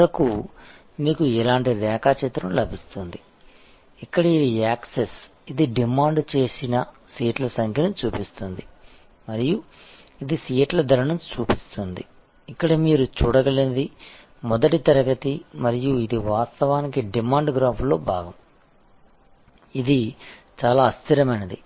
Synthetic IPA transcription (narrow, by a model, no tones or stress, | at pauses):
ɐku | miːkuɛlaːɳʈiɾɛːkaːt͡ʃit̪ɾɐmlɐbʱist̪und̪i | ikːɐɽɐid̪iaːkses | id̪iɖimaːɳɖt͡ʃe̞ːsinɐ | siːʈlɐsɐŋkʰjɐnut͡ʃuːpist̪und̪i | mɐɾiju | id̪isiːʈlɐd̪ʱɐɾɐɳɐmt͡ʃuːpist̪und̪i | ikːɐɽɐmiːɾut͡ʃuːɽɐɡɐlind̪i | mɔd̪ɐʈit̪ɐɾɐɡɐt̪imɐɾijuid̪iʋaːst̪ɐʋaːnikiɖimaːɳɖɡɾaːpʰlo̞ːbʱaːɡɐm | id̪i | t͡ʃaːlaːɐst̪iɾɐmɐnɐd̪i